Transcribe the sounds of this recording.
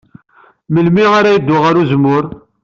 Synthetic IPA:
məlmiʁaɾæjəd̪ːʊʁaɾuzmːʊɾ

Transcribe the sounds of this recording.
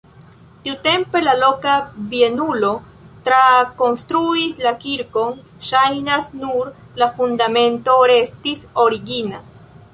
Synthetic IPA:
tiute̞mpe̞lalo̞kabienulo̞ | t̪ɾako̞nst̪ɾuislakiɾko̞n | ʃajnasnuɾ | lafund̪amẽ̞nto̞ɾe̞stiso̞ɾiɡina

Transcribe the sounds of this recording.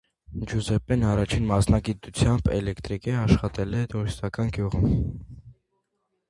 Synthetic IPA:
d͡ʒuzɛpɛnɑrɑt͡ʃʰinmɑsnɑɡit̪ut͡sʰjɑmbɛ̰lɛkt̪ɾikɛɑʃχɑt̪ɛlɛt̪uɾist̪ɑkɑnɡjuʁum

